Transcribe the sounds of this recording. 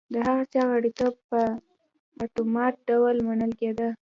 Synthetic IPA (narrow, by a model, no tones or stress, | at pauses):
d̪əɦaɣat͡ʃɑɣaɽikapə | at̪umɑt̪̚ɖawəlmanəlked̪ə